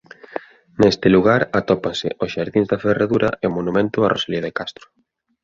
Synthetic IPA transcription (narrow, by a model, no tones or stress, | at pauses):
nest̪ɪluɣaɾat̪ɔpansɪ̰ʔosʃaɾðiŋzðɐferaðuɾɐ̰eomonumẽnt̪ʊarʔosaliaðekast̪ɾʊ̥